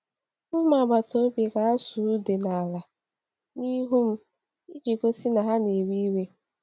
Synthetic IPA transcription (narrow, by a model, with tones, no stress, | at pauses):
m̩˦ma˨ba˨to˦be˨ɡa˦a˦su˨˦de˨na˨la˨ | ni˦ɦu˦m̩˦ | i˦d͡ʒi˨ko˦si˦na˨ɦa˦ne˨wi˦we˦